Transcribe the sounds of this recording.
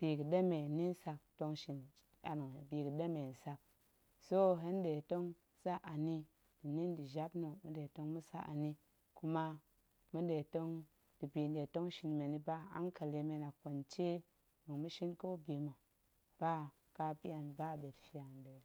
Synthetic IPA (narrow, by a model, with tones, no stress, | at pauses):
b̥i˨kɨ˨de˦me˨ni˦n˦sa˧k̚to˧ŋʃi˨n | a̰˨ni˨ŋ˨bi˨kɨ˨de˦me˨n̩˨sa˧k̚ | so˦ɦe˦nde˨to˦ŋ | sa˦a˨ni˦ | d̥i˨ni˦ndi˨ʒa˦pno˨mu˦de˨to˦ŋmu˦sa̰˦a̰˨ni˦ | ku˧ma˧ | mu˦de˨to˦ŋ | d̥i˨bi˨nde˨to˦ŋʃi˧nme˨ni˦ba˦a̰˦nka˨le˧me˧na˨ko˨nt͡ʃe˦ | nu˨ŋmu˦ʃi˦nko˦bi˨mo˨ | b̥a˦ | ka˦bi˦a˨nba˦˨be˨tfi˦a˨nde˨